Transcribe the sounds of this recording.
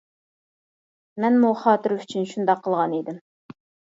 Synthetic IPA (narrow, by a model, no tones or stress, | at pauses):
mɛnmuχɑːt̪ɨɾyt͡ʃʰynʃund̪ɑqʰːəlˠʁɑned̪ɪm